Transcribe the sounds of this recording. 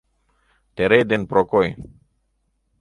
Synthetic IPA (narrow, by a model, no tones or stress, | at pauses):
t̪ɛɾejd̪inpɾɔkoj